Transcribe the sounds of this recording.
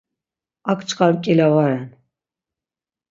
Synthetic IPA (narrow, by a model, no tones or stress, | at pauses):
akʰʼt͡ʃʰʼqʼaɾkʼilavaɾɛn